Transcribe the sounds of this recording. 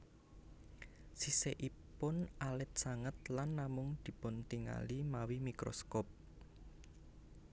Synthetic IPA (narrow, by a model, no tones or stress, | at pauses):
siseʔipʊnʔalɛt̪̚saŋət̪̚lanːamʊŋd̪̥i̤pʊnt̪iŋa̰limawimikɾo̰skɔp̚